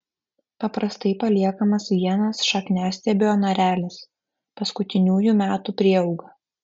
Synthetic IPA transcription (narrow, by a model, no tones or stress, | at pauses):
pɐpɾʔɐst̪ɐɪpɐlʲiɛkɐmɐsʋʲiɛnɐsʃɐknʲæːsʲt̪ʲeːbʲɪoːnɐɾʲæːlʲɪs | pɐskʊt̪ʲɪnʲuːjumʲæːt̪uːpʲɾʲiɛɒʊɡɐ